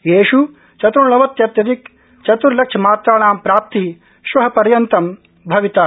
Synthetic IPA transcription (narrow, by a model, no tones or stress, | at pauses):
jeːʃu | t͡ʃɐt̪uɾlɐʋɐt̪jɐt̪jɐd̪ik | t͡ʃɐt̪uɾlɐkʂʰɐmaːt̪ɾaːɳaːmpɾaːp̚t̪i | ʃʋɐɦɐpɐɾjɐnt̪ɐm | bʱɐʋit̪aː